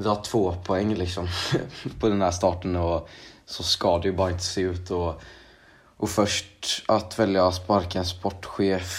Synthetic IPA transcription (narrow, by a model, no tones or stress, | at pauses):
d̪ɛhaʈʰv̥oːpʰʊɛŋːlɪksɔmpʰɔd̪ɛnhæːʂt̪ɑːʈənɔsɔskɑd̪ɛjəbɑːɾaɪnt̪ə̥seːʉ̟ːt̪ɔ | ʔɔfœʂʈat̪vɛljaspaɾkanspɔʈːɧeːf